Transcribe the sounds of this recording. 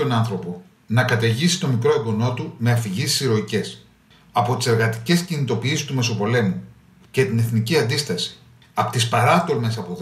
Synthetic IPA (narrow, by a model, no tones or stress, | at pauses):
o̞nɐnθɾo̞po̞ | nɐkɐt̪ɐʝisi̥t̪o̞mikɾo̞ebono̞t̪ume̞ɐfiʝisi̥siɾo̞ice̞s | ɐpo̞t̪i̥se̞ɾɣɐt̪i̥ce̞scinit̪o̞piːsist̪ume̞so̞po̞le̞mu | ce̞t̪ine̞θniciɐnd̪ist̪ɐsi̥ | ɐpot̪ispɐɾɐt̪o̞lme̞sɐpo̞ð